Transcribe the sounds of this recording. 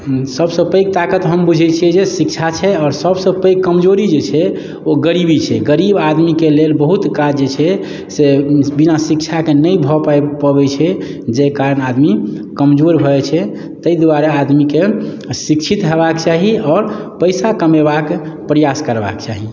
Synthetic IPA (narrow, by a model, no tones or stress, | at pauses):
səbsə̃pəjk̚t̪akət̪ɦəmbud͡ʒʱɛt͡ʃʰiɛd͡ʒesikt͡ʃʰat͡ʃʰɛɔːɾsəbsəpəjkːəmd͡ʒoɾid͡ʒet͡ʃʰɛ | oɡəɾibit͡ʃʰɛɡəɾibad̪mikelelbəɦut̪kad͡ʒd͡ʒet͡ʃʰɛ | sebinasik̚t͡ʃʰakenəjbʱɔpapəbɛt͡ʃʰɛ | d͡ʒekaɾənad̪mi | kəmd͡ʒoɾbʱɔɛt͡ʃʰɛ | t̪əid̪uwaɾead̪mike | sikt͡ʃʰit̪ɦeβakt͡ʃaɦiɔːɾ | pəɪsakəmebak | pɾijaskəɾba̰kt͡ʃa̰ɦi